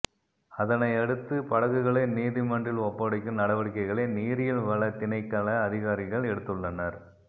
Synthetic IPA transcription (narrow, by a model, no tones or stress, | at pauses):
ɐðɐnɐɪɐɽɯt̪ːɯpɐɽɐɣɯɣɐɭɐɪniːðɪmɐɳdrɪlɔpːɐɽɐɪkːɯmnɐɽɐʋɐɽɪkːɐɪɣɐɭɐniːɾɪjɪlʋɐɭɐt̪ɪnɐɪkːɐɭɐːðɪɣaːɾɪɣɐɭɛɽɯt̪ːɯɭːɐnɐɾ